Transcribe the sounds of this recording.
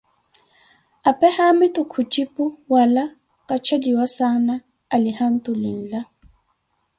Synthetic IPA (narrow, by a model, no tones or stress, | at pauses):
apʼɛhamɪtʼʊkʰut͡ʃʼipʼʊwala | kʼat͡ʃʰadiwasanaː | lɪhan̩tʼʊlɪ̰n̩la